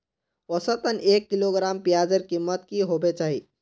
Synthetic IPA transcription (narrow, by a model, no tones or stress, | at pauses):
osət̪ənekːiloɡɾampijad͡ʒəɾkimːət̪kiɦobet͡ʃaɦi